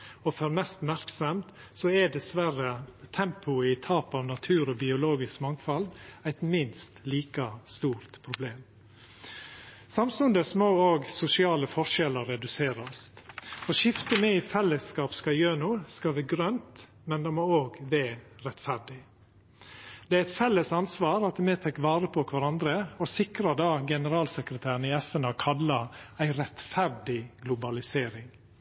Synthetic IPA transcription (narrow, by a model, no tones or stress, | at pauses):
ɔfɔɾmɛst̪mæɾksɔmt̪ | sɔɛd̪ɛsʋæɾət̪ʰɛmpʰʊɪt̪ʰɑːpɑʋnɑt̪ʰʉːɾɔbɪʊloːɡɪskmɑŋfɑld̪æɪt̪mɪnst̪liːkɑst̪uːɾt̪pʰɾʊbleːm | sɑmsʉnd̪əsmoːoːɡsʊsɪɑːləfɔʂɛləɾɛd̪ʉseːɾɑst̪fɔʃɪft̪əmɛifɛlːəskɑːpskɑjøːnuːskɑʋæːɡɾœnt̪ | mɛnd̪ɑmoːoːɡʋæːɾɛt̪fæɾɖɪ | d̪̥ɛæɾɛɪt̪fɛlːəsɑnsʋɑːɾɑt̪meːt̪ʰɛkːʋɑːɾəpʰɔɔkʰʋæɾɑnd̪ɾəɔsɪkɾɑd̪ɑːɡɛnəɾɑːlsəkɾət̪ʰæːɾnɪɛfɛnɑːkʰɑlːɑæɪɾɛt̪fæɾɖɪɡlʊbɑlɪseːɾɪŋ